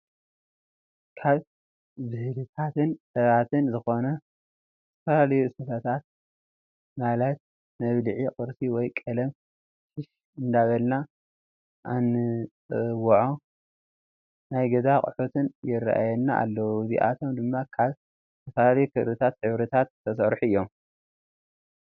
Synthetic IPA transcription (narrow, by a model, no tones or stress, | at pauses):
kʰaβ | zɨhlɨt̪ʰat̪ɨnsɐβat̪ʰɨnzɨxo̞nɐ | t̪ʰːɐfɐlalɐjuɨsɐt̪ʰɐt̪ʰat̪̚ | malɐt̪̚ | mɐβlɨʕiqʼɨɾsiwɔjkʼɐlɐm | ʃɪʃ | ɨnd̪aβɐlna | ʔanːɨt͡sʼɨwʕo | najɡɐzakʼɨ̰ħut̪ʰɨnjɪrːa̰ʔa̰jɛnːaʔa̰lːɐwuɨzḭʔa̰t̪ʰo̞md̪ɨmːakʰaβ | t̪ʰɐfɐlalɐjukʰɨʔɾɨt̪ʰat̪ħɨβɾɨt̪ʰat̪ːɐsɐɾħuɨjːo̞m